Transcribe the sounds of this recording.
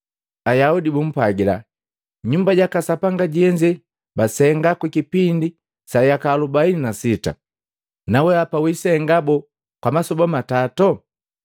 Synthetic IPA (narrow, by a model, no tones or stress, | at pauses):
ajaudibum̩pwaɡila̰ | ɲumbaɟakasapaŋɡaɟiɛɲd͡ʒɛ | basɛŋɡakwikipindi | sajakalubaininasita̰ | nawɛapawisɛŋɡabɔ | kwamasɔbamatatɔ